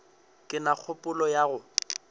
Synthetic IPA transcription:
kʼɪnak͡xʰʊpʼʊlɔjaɣʊ

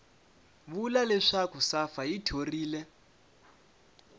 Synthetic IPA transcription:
βulalɛʂakusafaitʰoriːlɛ

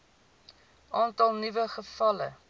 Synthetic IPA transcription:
ʔɑːntɐlˠnivəχəfɐlə̰

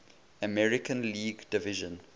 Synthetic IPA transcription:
əmɛɹɪkə̃nliːɡdɪvɪʒə̃n

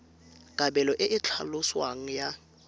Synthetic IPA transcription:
ɡ̥ʼabɛlɔʔɪʔɪt͡ɬʰa̰lʊswaŋ̩ja

